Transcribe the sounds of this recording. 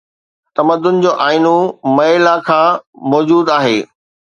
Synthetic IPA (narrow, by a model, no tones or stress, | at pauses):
t̪ɐməd̪ʊn̆d͡ʑoːʔaːɪnumɐɪlakʰãːmɔːd͡ʑuːd̪aːɦeː